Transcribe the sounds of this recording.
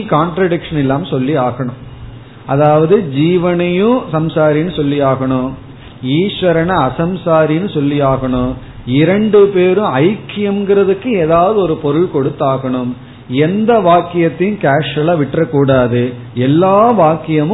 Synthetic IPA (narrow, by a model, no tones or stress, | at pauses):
kaːɳʈɾɐɽɪkʂɐnɛlːaːmsɔlːiaːɣɐɳɯm | ʔɐðaːʋɐðɯd͡ʒiːʋɐnɐjʊ̃sɐmsaːɾinɯsɔlːijaːɣɐɳɯ | iːʂʋɐɾɐnɐɐsɐmsaːɾinɯsɔlːiaːɣɐɳɯ | ɪɾɐɳɖɯpeːɾɯ̃ɐɪkːɪjɐmɡɪɾɐðɯkːɯeːðaːʋɐðɯɔɾɯpɔɾɯɭkɔɽɯt̪ːaːɣɐɳɯm | ɛnd̪ɐʋaːkːɪjɐt̪ːɪnkaːʂɐlaːʋɪʈrɐkːuːɽaːðɯ | ɛlːaːʋaːkːɪjɐmɯ